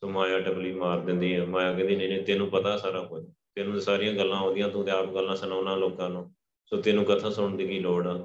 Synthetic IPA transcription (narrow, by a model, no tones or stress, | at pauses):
soːmaːjaːʈəbliːmaːɾd̪ɪ̃nd̪iːɦɛːmaːjaːkɛ̃ːnd̪iːnẽːnẽːt̪eːnũːpət̪aːsaːɾaːkoːd͡ʒaːt̪eːnũːsaːɾɪːãːɡəlːãːɦõːd̪ɪjãːt̪ũːt̪eaːpɡəlːãːsənaːnãːloːkãːnõː | soːt̪ɪnũːkət̪ʰãːsʊɽ̃d̪iːɡiːloːɽãː